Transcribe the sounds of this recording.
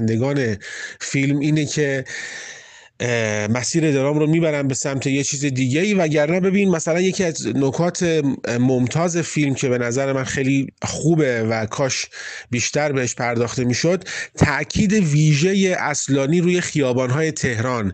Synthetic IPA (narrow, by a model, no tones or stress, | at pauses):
nd̪e̞ɡɒːne̞filmiːnecʰe̞ | mæsiːɾe̞d̪eɾɒːmɾomiːbæɾæmbe̞sæmt̪ʰe̞jet͡ʃʰiːzed̪iːɟe̞iːvææɟæɾnæbe̞binimæsælænje̞cʰiːæznokʰɒːt̪ʰe̞momt̪ʰɒːze̞filmcʰe̞be̞næzæɾe̞mænxejliχuːbe̞vækʰɒːʃbiːʃt̪æɾbe̞heʃpʰæɾd̪ɒːxt̪e̞miːʃo̞d̪t̪ʰæʔcʰiːd̪e̞viːʒe̞jeʔæslɒːniːɾuːje̞xijɒːbɒːnɦɒːje̞t̪ʰe̞hɾɒn